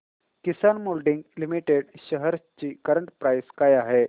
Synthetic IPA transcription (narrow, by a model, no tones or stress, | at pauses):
kisanmolɖiŋɡlimiʈeɽɕəɦəɾt͡ɕiːkəɾəɳʈpɾajskajaɦe